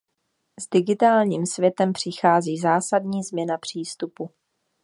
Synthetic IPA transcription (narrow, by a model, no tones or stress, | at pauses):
zdɪɡɪt̪aːlɲiːmsvjɛt̪ɛmpr̝̥ɪxaːziːzaːsadɲiːzmɲɛnapr̝̥iːst̪upu